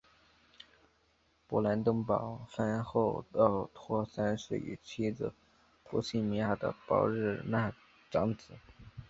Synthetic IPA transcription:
pu˨˩la˧˥nt̪ɤ˥ŋpɑ˨˩˦ʊfa˥nxo˥˩ʊɑ˥˩ʊt̪ʰwɔ˥sa˥nʂe˥˩ḭ˨˩t͡ɕʰi˥d͡zɹ̩̰˧˩ | pʰu˧˥ɕi˥˩mi˧˥ja˥˩d̪ə̰˧˩pɑ̰˧˥ʊɻɻ̩˥˩na˥˩ | ʈ͡ʂɑ˧˥ŋt͡sɹ̩˨˩˦

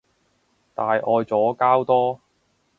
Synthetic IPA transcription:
t̪aː˨˧jʔɔː˧jt͡sɔː˨˥kaː˥wt̪ɔː˥

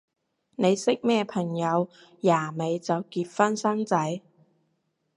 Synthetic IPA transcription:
ne˨˧jsɪ˥k̚mɛː˥˩pʰɐ˨˩ŋjɐ˨˧w | jaː˨˩me˨˧jt͡sɐ˨wkiː˧t̚fɐ˥nsɐ˥ŋt͡sɐ˨˥j

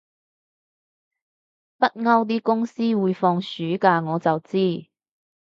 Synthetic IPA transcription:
pɐ˥t̚ŋɐ˥wt̪̬iː˥kʊ˥ŋsiː˥wuː˨˧jfɔː˧ŋsyː˨˥kaː˧ŋɔː˨˧t͡sɐ˨wt͡siː˥

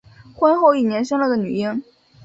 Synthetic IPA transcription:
xwə˥nxo˥˧ʊi˥˩njɛ˧˥nʂə˥nlə˨˩d̪ə˨˩ny̰˨˩i˥n

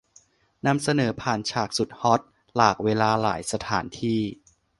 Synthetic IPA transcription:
na˧msa˧nɤː˩˦pʰaː˨˩nt͡ɕʰaː˨˩k̚su˨˩t̪̚hɔ˦˥t̪̚ | laː˨˩k̚weː˧laː˧la̰ː˩˦jsa˧t̪ʰaː˩˦nt̪ʰiː˥˩

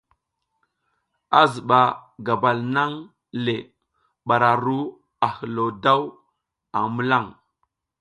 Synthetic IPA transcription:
a˦zə˨ɓa˨ɡa˨ba˨lna˦ŋ | le˨ | ɓa˨ɾa˨ɾu˦ | a˨hə˨lo˨da˦w | a˨mə˦la˦˨ŋ

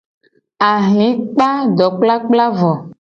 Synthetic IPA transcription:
a˨ɦĩ˨˦k͡pa˦ɖɔ˨k͡pla˦k͡pla˦vɔ˨

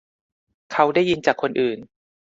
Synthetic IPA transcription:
kʰa˦˥wda˥˩jːi˧nt͡ɕaː˨˩kʰːo˧nʔɯː˨˩n

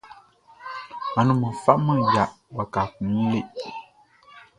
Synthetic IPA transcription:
a˨nũ˨mə̃˨fa˦ʔmã˦˨ja˨ʔ | ba˨ka˨kũ˨˦le˦ʔ

